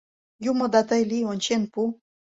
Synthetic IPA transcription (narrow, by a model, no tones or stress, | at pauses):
jumŏd̪ɑt̪əjlionʲt͡ɕenpu